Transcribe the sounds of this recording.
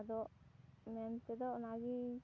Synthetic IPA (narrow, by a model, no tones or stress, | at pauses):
d̪ɔʔmɛnt̪ɛd̪ɔʔnad͡ʒi